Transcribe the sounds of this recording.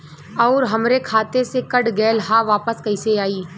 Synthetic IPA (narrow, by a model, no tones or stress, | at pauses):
ɔːɾɦɐmɾekʰaːt̪esekəɽɡɛːlɦaʋaːpəskɐɪseaːiː